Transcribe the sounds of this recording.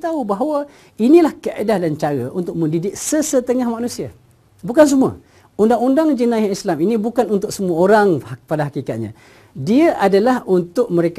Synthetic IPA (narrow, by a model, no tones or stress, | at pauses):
t̪aubaɦwa | inilahkaʔa̰dahdant͡ʃaɾa̰unt̪ʊk̚mə̃ndidɪk̚səsət̪əŋahmanũsia | bukans̬umua̰ | undaŋundaŋd͡ʒənajaislaminĩbukanunt̪ʊk̚səmuaoɾaŋpadaɦakikat̪̚ɲã̰ | diaʔadalahunt̪ʊk̚məɾek